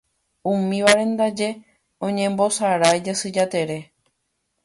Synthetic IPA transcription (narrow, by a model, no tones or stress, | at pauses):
ũmĩʋaɾẽ̞nd̪ad͡ʒe̞ | õ̞ɲẽ̞mbo̞saɾajd͡ʒasɨd͡ʒat̪e̞ɾe̞